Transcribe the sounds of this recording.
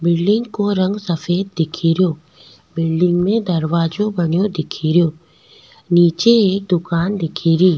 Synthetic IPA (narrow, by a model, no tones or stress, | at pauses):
bɪlɖɪ̃ŋɡkoɾɐ̃ŋɡsɐfeːd̪̚ːɪkʰiɾɪjoː | bɪlɖɪ̃ŋɡmẽd̪ɐɾʋaːd͡ʒobɐɽijod̪ɪkʰiːɾɪjoː | niːt͡ʃeeːk̚d̪ʊkaːnd̪ɪkʰiːɾiː